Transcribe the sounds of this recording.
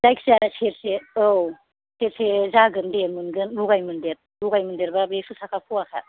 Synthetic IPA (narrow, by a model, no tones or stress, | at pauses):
zajkʰsaseɾseow | seɾsezaɡɯndemɯnɡɯnɾuɡajmɯndeɾ | ɾuɡajmɯndeɾbabesusakʰapʰuakʰa̰